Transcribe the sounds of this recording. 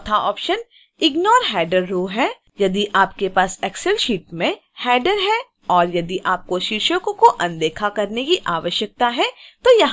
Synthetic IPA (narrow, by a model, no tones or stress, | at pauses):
t̪ʰaɔːpʃən | ɪɡnɔːɾɦɛːɖəɾːoːɦɛː | jɐd̪iʔaːp̚kepaːsɛːksɛlʃiːʈmẽ | hɛːɖəɾɦɛ | ɔːɾjɐd̪iʔaːp̚koʃɪɾʃəkõkoʔɐ̃nd̪eːkʰakɐɾnekiʔaːʋəʃjək̚t̪aɦɛt̪ojɐɦ